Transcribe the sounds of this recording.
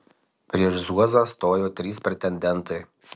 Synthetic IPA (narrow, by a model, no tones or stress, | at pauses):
pʲɾʲiɛʃzuɔzost̪oːjoːt̪ʲɾʲiːspʲɾʲɛt̪ʲɛnʲd̪ʲɛnˑt̪ɐɪ